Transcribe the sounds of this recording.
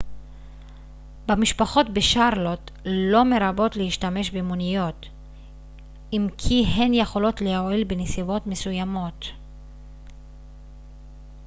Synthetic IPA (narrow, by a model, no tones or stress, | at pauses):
bamiʃpaχo̞tbeʃaʁlo̞t̪lo̞me̞ɾabo̞t̪lehiʃtame̞ʃbemunijo̞t | imkʰiɦenje̞χo̞lo̞t̪lehoilbenesivo̞tme̞sujamo̞t